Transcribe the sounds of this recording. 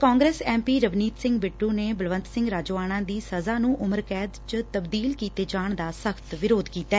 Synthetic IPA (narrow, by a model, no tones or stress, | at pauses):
kaːŋɡɾeːsɛ̃ːmpiːɾəʋniːt̪sɪ̃ŋɡbɪʈːũːneːbəlʋə̃nt̪sɪ̃ŋɡɾaːd͡ʒoːaːñãːd̪iːsəzaːnũːʔʊməɾkɛːd̪t͡ʃt̪əbd̪iːlkiːt̪eːd͡ʒaːɳd̪aːsəkʰt̪ʋɪɾoːd̪kiːt̪aː